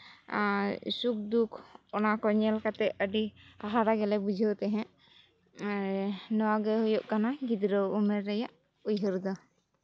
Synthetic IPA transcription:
suk̚d̪ukʰɔnakɔɲɛlkat̪ɛʔəɖiaɦaɾaɡɛlɛbud͡ʒʱəwt̪ɛɦɛ̃ʔ | nɔwaɡəɦɔjɔʔkanaɡid̪ɾəwumɛɾːɛjaʔ | ujɦəɾd̪ɔ

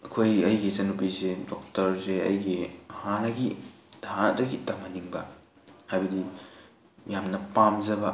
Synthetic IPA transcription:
ɐkʰojɐjɡizɐnupisedok̚tɐɾseɐ̰jɡiɐhanɐɡi | danɐ̰dɐɡitɐmɐniŋbɐ̰ | hajbɐdi | mjamnɐpamzɐbɐ

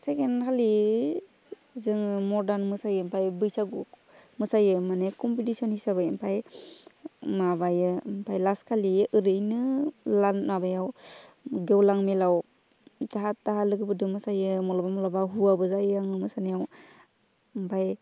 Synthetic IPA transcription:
sekenkʰali | zɯŋmɔɾdanmɯsajɯmpʰajbɯjsaɡu | mɯsajɯmanekɔmpitisɔnhisaβɯjmpʰaj | mabajɯmpʰajlaskʰaliɯɾɯjnɯlanmabajaw | ɡewlaŋmelaw | taɦatːaɦalɯɡɯbɯdɯmɯsajɯmɔlabamɔlabaɦuabɯzajaŋɯmɯsanejaw | mpʰaj

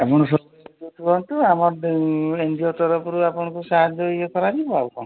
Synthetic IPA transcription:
apɔɽ̃ɔsɔ | tut̪ʰuɾɔnt̪uamɔɾend̪ʱiɔt̪ɔɾɔpʰɔɾuapɔɽ̃ɔkusaɦad͡ʒɔiɔkɔɾaɾibawkɔn

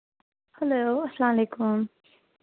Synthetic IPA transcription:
hɐloɐslɑmleːkum

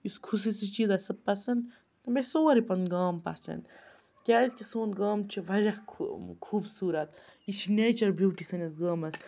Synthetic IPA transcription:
jiskʰusisit͡ʃiːzɐsɐb̚pːɐsɐnd̪ | ɐbesoːɾipɐnɡaːmpɐ̰sɐ̰nd̪ | kʲaːizʲkʲisoːnɡaːmt͡ʃʰiʋɐɾʲɐkʰkʰuːbsuːɾɐt̪it͡ʃʰineːt͡ʃɐɾbuːʈisɐnʲɐsɡaːmɐs

